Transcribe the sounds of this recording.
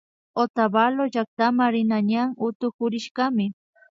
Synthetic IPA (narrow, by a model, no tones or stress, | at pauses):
ot̪abaloʒak̚t̪amaɾɪnaɲaŋʊt̪ʊkʊɾɪʃɢɑmɪ